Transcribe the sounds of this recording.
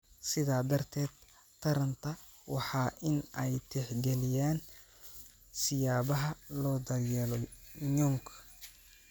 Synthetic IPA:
sɪðaːd̪ɐrt̪ʰɛːd̪ | t̪ʰɐɾɐnt̪ʰɐwɑħɑːʔɪnɛjt̪ʰɪħɡɛlɪjaːn | sɪjaːβɐɦɐlɔːd̪ɐrjɛːlɔɲɔŋkʰ

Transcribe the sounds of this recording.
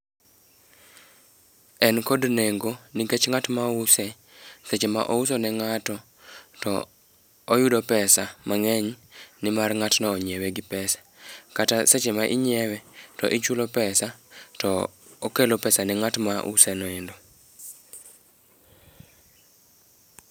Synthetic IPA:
ɛnkodneŋɡoniket͡ʃŋatmausɛ | set͡ʃema̰ʔousonɛŋatɔ | tɔ̰ː | judopɛsamaŋɛɲnɪmarŋatnɛːɲewɛɡɪpɛsḁkataset͡ʃemaʔiɲɛwɛtɔ̰ʔit͡ʃulopɛsatɔokelopɛsanɛŋatmaʔṵsɛnɔɛndo

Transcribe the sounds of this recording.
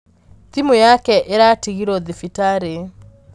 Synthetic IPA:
timojakɛʔeɾatiɣiɾɔðifitaɾe

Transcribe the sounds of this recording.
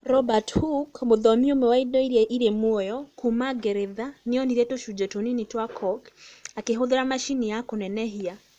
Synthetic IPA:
ɾɔbathukmoðɔmiomɛwaidɔiɾɛʔiɾemwɔjɔkumaɡɛɾeðaneɔniɾetoʃud͡ʒɛtoninitwakʰɔkakeɦoðeɾamaʃinijakonɛnɛɦia

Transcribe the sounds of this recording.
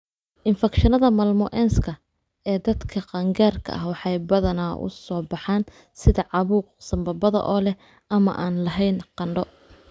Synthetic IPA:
ʔɪnfɛkʃɐnɐðɐmɐlmʊʔɛːnskʰɐ | ɛːd̪ɐd̪kʰɐqɑŋɡaːrkʰɐ̰ʔɐhwɑħɑjbɐðɐnaːʊ̰sɔːbɑħɑːn | sɪðɐʕɑβuːq̚sɐmbɐbɐðɐ̰ʔɔːlɛ | ʔɐmɐʔaːnlɐɦɛjnqɑɳɖɔ

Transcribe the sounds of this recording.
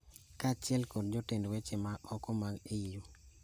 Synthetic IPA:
kat͡ʃɪɛlkodd͡ʒotendwet͡ʃemaʔɔkɔmaɡeijo

